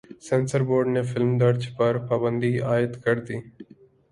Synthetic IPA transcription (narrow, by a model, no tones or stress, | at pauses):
sẽːnsəɾboːɾɖnefʰɪlmd̪əɾt͡ʃpɐɾpɐbə̃nd̪iaːɪt̪kɐɾd̪iː